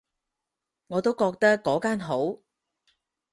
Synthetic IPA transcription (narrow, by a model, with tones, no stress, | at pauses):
ŋɔː˨˧t̪o˥wkɔː˧k̚t̪ɐ˥kːɔː˨˥kaː˥nɦo˨˥w